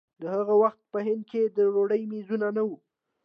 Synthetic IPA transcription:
d̪əhaɣawaxt̪̚pəɦɪnd̪̚ked̪əɾoɽəjmizunanawu

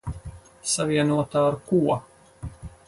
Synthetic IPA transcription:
saviɛnuɔt̪aːɾkuɔ

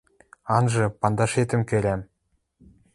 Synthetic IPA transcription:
ɑnʒɤ̆pɑnd̪ɑʃet̪ɘ̆mkʲʰɵɾʲæm

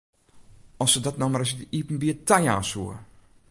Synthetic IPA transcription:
ɔsədɔtnɔmaɾɔsɪk̚dəʔipn̩biətaja̰ːnsuə

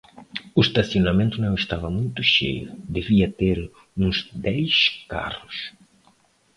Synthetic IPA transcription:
uʃt̪asjonamẽnt̪ʊnɐ̃w̃est̪avɐmũjt̪ʊʃḛjʊ̰d̪eviɐt̪eɾ | ũzd̪ɛjska̰rʊs

